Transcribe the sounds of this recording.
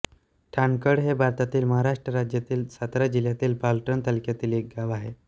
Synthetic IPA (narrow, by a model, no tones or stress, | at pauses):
ʈʰankəɽɦebʱaɾt̪at̪iːlməɦaɾaʂʈɾəɾad͡ʑjat̪iːlsat̪ɾad͡ʑiljat̪iːlpalʈənt̪alkjat̪iːlek̚ɡaʋaɦe